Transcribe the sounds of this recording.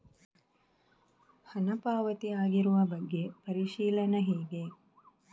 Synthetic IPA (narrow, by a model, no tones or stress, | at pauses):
hɐnɐpaːʋɐt̪iaːɡiɾuʋɐbɐɡːepɐɾiʃiːlɐnɐɦeːɡe